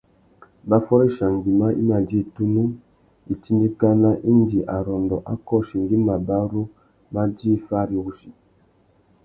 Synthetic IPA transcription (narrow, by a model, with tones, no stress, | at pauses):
ba˦fɔ˦ɾe˦ʃa˨ŋ˨ɡi˨ma˦ʔḭ˦ma˨d͡ʒi˦˨tu˦nu˦ | i˨ti˦ndi˦ka˦na˦ʔi˦n˦di˨ʔa˨ɾɔ˨ndɔ˨ʔa˦kɔ˦ʃi˨ŋ˨ɡi˦ma˨ba˦ɾo˦ | ma˦d͡ʒi˦fa˦˨ɾu˨ɡu˦ʃi˨